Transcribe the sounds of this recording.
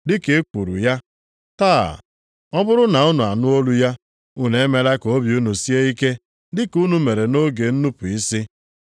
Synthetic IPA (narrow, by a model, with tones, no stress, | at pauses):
dɪ˦ke˨˦ku˨ɾṵ˨ja˦ | ta̰ː˦˨ | ɔ˦bʊ˦ɾʊ˦na˨u˦nu˨a̰˨nʊ˦o˦lu˦ja˦ | u˦ne˦me˦la˦ko˦bju˦nu˨si˦e˦i˦ke˦ | dɪ˦ku˦nu˦me˨ɾe˨no˦ɡe˨n̩˦nu˦pu˨i˦si˦